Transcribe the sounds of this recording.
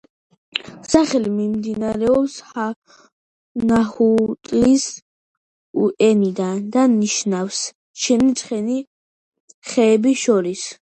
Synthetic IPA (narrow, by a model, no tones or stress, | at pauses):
saχɛlimimd̪inaɾɛɔpsha | nahut̪ʼlis | uʔɛnid̪and̪anːiʃnafs | ʃʰɛnisʰʼχɛni | χɛːbiʃɔɾis